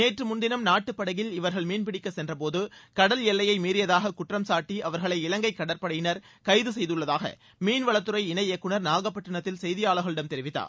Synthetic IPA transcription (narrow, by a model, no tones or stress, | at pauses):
neːʈrɯmʊnd̪ɪnɐmnaːʈːɯpːɐɽɐjɪlɪʋɐɾɣɐɭmiːnpɪɽɪkːɐsɛndrɐpoːðɯkɐɽɐljɛlːɐjɐɪmiːɾɪjɐðaːɣɐkʊʈrɐmsaːʈːiʔɐʋɐɾɣɐɭɐɪɪlɐŋɡɐɪkːɐɽɐɾpɐɽɐjɪnɐɾ | kɐɪðɯsɛjðɯɭːɐðaːɣɐ̰ | miːnʋɐɭɐt̪ːɯɾɐɪɪnɐɪɛkːɯɳɐɾnaːɣɐpːɐʈːɐɳɐt̪ːɪlsɛjðɪjaːɭɯɣɐɭɪɽɐmt̪ɛɾɪʋɪt̪ːa̰ːɾ